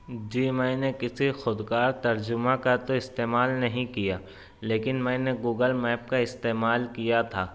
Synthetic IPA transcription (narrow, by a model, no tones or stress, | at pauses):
d͡ʒiːmɛ̃ːnekɪsixʊd̪kaːɾt̪ɐɾd͡ʒʊmãkat̪oɪst̪eːmaːlnɐɦĩkijaː | leːkɪnmɛ̃ːneɡuːɡəlmɛːp̚kaɪst̪eːmaːlkijat̪ʰaː